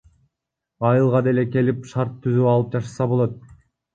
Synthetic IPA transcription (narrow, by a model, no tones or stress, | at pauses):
ɑjɯlˠʁɑd̪e̞le̞ke̞lipʃɑɾt̪ʰːyzyɑlˠɯp̚d͡ʒɑʃɑsɑbo̞lˠo̞t̪̚